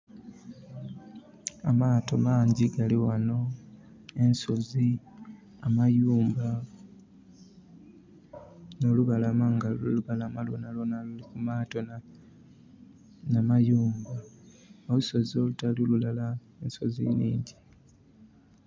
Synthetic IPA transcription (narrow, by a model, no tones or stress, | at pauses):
amaːto̞maːɲɟiɡaliwano̞ | e̞nso̞zi | amajuːmba | no̞luβalamaŋɡaluluβalamalo̰nalonalulikumaːto̞na | namajuːmbaoluso̞zio̞lutalolulala | enso̞zḭnḭːɲɟi